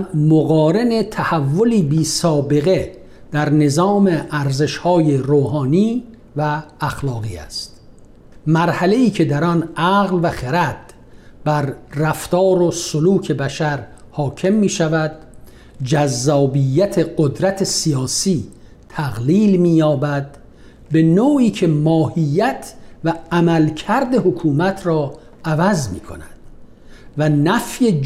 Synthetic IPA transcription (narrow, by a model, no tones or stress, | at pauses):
moɣɒːɾe̞ne̞t̪ʰæhævːo̞liːbiːsɒːbe̞ɣe̞ | d̪̥æɾne̞zɒːmeʔæɾze̞ʃhɒːjeɾoːhɑːniː | væːxlɒːɣiːæ̰st̪ | mæɾhæle̞iːcʰe̞d̪æɾɒnæɣlvæχeɾæt̪̚ | b̥æɾːæft̪ɒːɾosoluːcʰe̞bæʃæɾhɒːcʰe̞mːiːʃævæd̪ | d͡ʒæzːɒːbijːæt̪ʰeɢod̪ɾæt̪ʰe̞sijɒːsiː | t̪ʰæɣliːlmiːjɒːbæd̪ | be̞noːiːcʰe̞mɒːhijːæt̪ʰvæːmælcʰæɾd̪e̞hokʰuːmæt̪ʰɾɒː | ævæzmḭːkʰo̰næd̪̥ | vænæfje